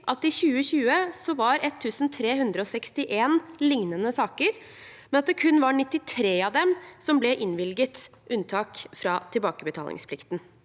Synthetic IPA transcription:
ʔɑt̪ɪçʉːəɕʉːəsɔʋɑɾɛt̪ʰːʉːsn̩t̪ʰɾeːhʉnd̪ɾəɔsɛkst̪ɪʔeːnlɪŋnənəsɑːkəɾ | mɛnɑt̪d̪ɛkʰʉnːʋɑɳɪt̪ːɪt̪ʰɾeːɑʋd̪ɛmsɔmblɛʔɪnʋɪlɡət̪ʔʉnt̪ʰɑːkfɾɑt̪ʰɪlbɑːkəbət̪ʰɑ̰lɪ̰ŋspʰlɪkt̪n̩

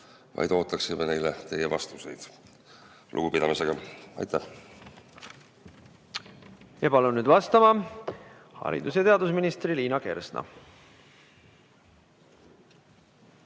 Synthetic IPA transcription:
vɑ̰jd̪̥o̞ːt̪ːˑɑksimene̞jlet̪e̞jevɑst̪use̞jd̪̥ | lʔṵɡ̥upid̪̥ɑmiseɡ̥ɑɑ̰jt̪ːæh | jɑpɑlunːyːd̪vɑst̪ɑmɑ | hɑ̰ɾḭd̪̥us̬jɑt̪e̞ɑd̪usminist̪riliːnɑke̞̰rsnɑ̰

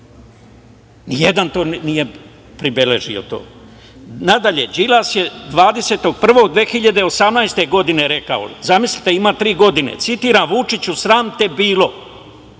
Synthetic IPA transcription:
nijed̪ant̪o̞ːnije̞ | pɾibele̞ʒio̞̰t̪o̰ː | nad̪aʎe̞d͡ʒilasje̞d̪ʋaːd̪e̞se̞t̪o̞ɡ̚pr̩ʋo̞ɡd̪ʋe̞ːxiʎad̪e̞o̞samnajst̪e̞ɡo̞d̪ine̞ɾe̞ka̰o̰zamislit̪e̞imat̪ɾiːɡo̞d̪inḛt̪sit̪iːɾanʋut͡ʂit͡ɕusɾaːmt̪e̞biːlo̞

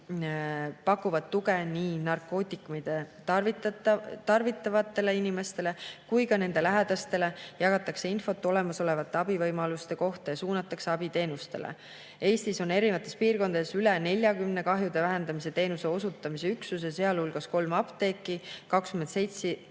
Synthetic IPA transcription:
pɑkːˑuvɑd̪t̪ːuɡe̞niːnɑrkˑo̞ːt̪ʲːˑikːˑumid̪̥e | vit̪t̪ɑrvit̪ˑːɑvɑt̪ːˑe̞le̞inimest̪e̞le̞kujkɑne̞nd̪̥e̞læɦed̪̥ɑst̪e̞le̞jɑɡɑt̪ːˑɑkseinfo̞t̪ːˑo̞le̞mɑso̞le̞vɑt̪ˑːe̞ɑbivɤjmɑlust̪e̞ko̞ht̪ɑjɑsuːnɑt̪ːˑɑkse̞ɑb̥it̪e̞ːnust̪e̞̰lʔḛ | e̞ːst̪iso̞ne̞ɾivɑt̪ːˑe̞spiːrko̞nd̪ɑd̪esylene̞lʲjɑkymne̞kɑɦjud̪̥evæɦe̞nd̪ɑmise̞t̪e̞ːnuse̞o̞sut̪ːˑɑmise̞yksus̬ese̞ɑlulɡ̥ɑsko̞lmɑpt̪e̞ːkːˑikɑkskyment̪se̞jt̪si

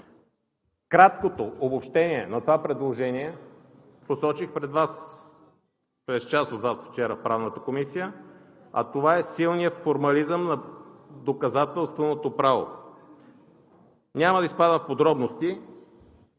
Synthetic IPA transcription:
kɾat̪kot̪oːbopʃt̪ɛniɛ̰nɐt̪ovapɾɛd̪lˠoʒɛniɛ | posɔt͡ʃixpɾɛd̪vas | pɾɛst͡ʃasod̪vasft͡ʃɛɾəfpɾavnət̪əkomisijə | ɐ̰t̪ovaɛsilˠnijəfoɾmɐlizəmnɐd̪okɐzat̪ɛlˠst̪vonot̪opɾavo̰ | nʲamɐd̪ɐispad̪əfpod̪ɾɔbnost̪i

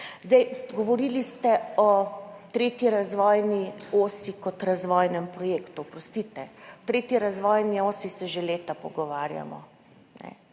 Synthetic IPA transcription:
zd̪ɛjɡɔʋɔɾilist̪ɛɔt̪ɾeːt̪iɾazʋɔːjnioːsikɔt̪ɾazʋɔːjnɛmpɾɔjeːkt̪upɾɔst̪it̪ɛt̪ɾeːt̪iɾazʋɔːjnioːsisɛʒeleːt̪apɔɡɔʋaɾja̰mɔ̰ | nɛ̰

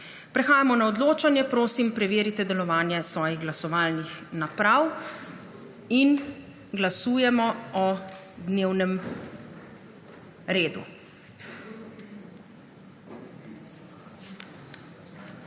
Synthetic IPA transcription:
pɾɛxaːjamɔnaɔd̪loːt͡ʃanjɛpɾoːsimpɾɛʋeːɾit̪ɛd̪ɛlɔʋaːnjɛsʋɔːjiɣɡlasɔʋaːlnixnapɾaw | in | ɡlasuːjɛmɔɔ | d̪neːwnɛm | ɾeːd̪ṵ

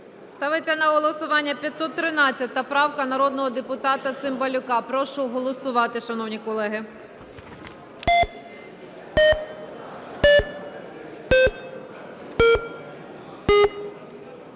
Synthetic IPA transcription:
st̪ɑʋɪt͡sʲːɐnɐɦɔlˠɔsʊʋɑnʲːɐpʲjɐt̪sɔt̪ːɾɪnɑt͡sʲːɐt̪ɐpɾɑwkɐnɐɾɔd̪nɔɦɔd̪epʊt̪ɑt̪ɐt̪sɪmbɐlʲʊkɑpɾɔʃʊɦɔlˠɔsʊʋɑt̪ɪʃɐnɔwnʲikɔlˠɛɦɪ

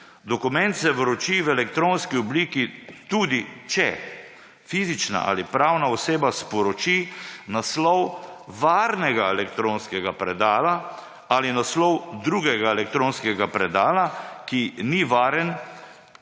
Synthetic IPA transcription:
d̪ɔkumɛnt̪sɛʋɾɔt͡ʃiwɛlɛkt̪ɾonskiɔbliːkit̪ud̪it͡ʃɛ | fiːzit͡ʃna̰ʔa̰lipɾawnaɔseːbaspɔɾɔt͡ʃinaslɔwʋaɾnɛɡaɛlɛkt̪ɾõnskɛɡapɾɛd̪aːla | alinaslɔwd̪ɾuɡɛɡaelɛk̚t̪ɾoːnskɛɡapɾɛd̪aːlakiniʋaːɾən

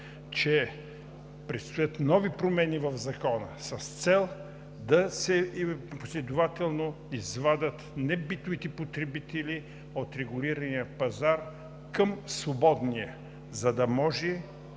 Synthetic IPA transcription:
t͡ʃɛ | pɾɛt̪st̪ojət̪nɔvipɾomɛnivɐvzɐkɔnə̰sɐst̪sɛlˠ | d̪ɐsɛposlʲɛd̪ʊvat̪ɛlˠno | izvad̪ət̪nɛbit̪ʊvit̪ɛpot̪ɾɛbit̪ɛli | ot̪ɾɛɡʊliɾɐnijəpɐzaɾ | kəmsvobɔd̪niə | zɐd̪ɐmɔʒɛ

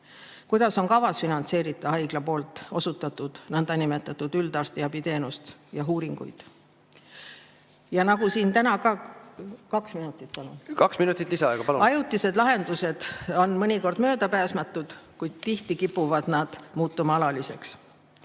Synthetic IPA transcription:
kujd̪̥ɑso̞ŋkɑvɑsfinɑnt̪se̞ːɾit̪ˑːɑɑjɡ̥lɑpo̞ːlt̪ˑo̞sut̪ːˑɑt̪ːˑud̪̥nɤnd̪ɑnime̞t̪ːˑɑt̪ːˑud̪yld̪ɑrst̪iɑbit̪e̞ːnust̪jɑɦuːɾiŋɡ̥ṵjd̪̥ | jɑnɑɡusiːnt̪ænɑkɑː | kɑksminut̪ːˑit̪̚pɑlunkɑksminut̪ːˑit̪ˑlisɑɑeɡɑpɑluɑjut̪ːˑise̞d̪̥lɑɦe̞nd̪use̞d̪̥o̞nmɤnʲiko̞rd̪̥mø̞ːd̪̥ɑpæːsmɑt̪ːˑud̪̥kujd̪̥t̪iht̪ikipːˑuvɑd̪̥nɑd̪̥muːt̪ːˑumɑɑlɑlise̞ks

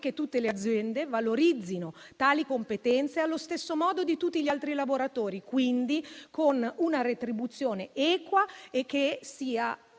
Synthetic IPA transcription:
k̟et̪ːut̪ːelead̪zːjɛnd̪evaloɾid̪zːino | t̪aːlikompet̪ɛnt̪sealːost̪esːomɔːd̪od̪it̪ut̪ːiʎialt̪ɾilavoɾat̪oːɾikwind̪ikonunaɾet̪ɾibut̪sːjoːneɛːkwaekːesiːa

